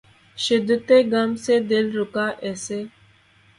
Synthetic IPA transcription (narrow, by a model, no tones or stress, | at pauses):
ʃɪd̪ːət̪eːɡaːmseːd̪ɪlɾʊkaːʔɛːseː